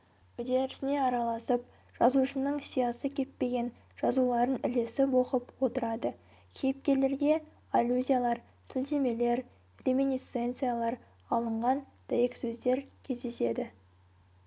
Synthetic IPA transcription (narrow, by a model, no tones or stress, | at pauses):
ʏd̪e̞ɾɪsɪne̞ɑɾɑlˠɑsəp̚ | ʒ̥ɑzuʃənəɴsijɑsəkʲʰe̞t̪̚pe̞ɡʲe̞n | ʒ̥ɑzulˠɑɾənɪle̞sɪpwo̞qəpwo̞t̪əɾɑd̪ə | kʲʰejp̚kʲe̞le̞ɾɡʲe̞ | alʲuzʲijalˠɑɾ | sɪlt̪e̞me̞le̞ɾ | rʲe̞mʲinʲist̪se̞nt̪sɨjalˠɑɾ | ɑlˠəɴʁɑn | d̪̥ajeksɵzd̪e̞ɾkʲʰe̞zd̪e̞se̞d̪ɪ